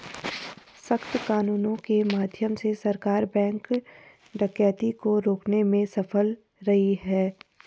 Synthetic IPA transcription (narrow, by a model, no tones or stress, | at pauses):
səxt̪kaːnuːnõkemaːd̪ʱjəmsesɐɾkaːɾbɛ̃ːŋk | ɖɐkjɛːt̪ikoɾoːknemẽsɐfəl | ɾɐɦiɦɛː